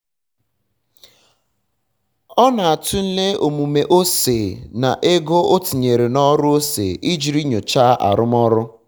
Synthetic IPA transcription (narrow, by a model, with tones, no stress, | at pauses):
ɔ˦na˨a˨tʊ˦n̩˦le˦o˨mu˨me˨ʔo˦se˨na˨ʔe˦ɡo˦o˦ti˨ɲe˨ɾe˨nɔ˦ɾʊ˦o˦sḛː˨ʔi˦d͡ʒi˨ɾi˦ɲo˨t͡ʃaː˦ʔa̰˨ɾʊ˦m˦ɔ˦ɾʊ˦